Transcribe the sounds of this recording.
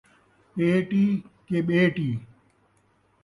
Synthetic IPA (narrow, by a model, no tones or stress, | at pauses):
ɓeːʈiːkeːɓeːʈiː